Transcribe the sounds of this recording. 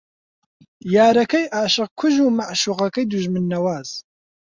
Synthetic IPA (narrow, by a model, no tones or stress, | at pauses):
jaːɾɐkɐjʔaːʃɨq̚kʰʊʒuːmaʕʃuːʁɐkɐjd̪uʒmɨnːɐwaːz̥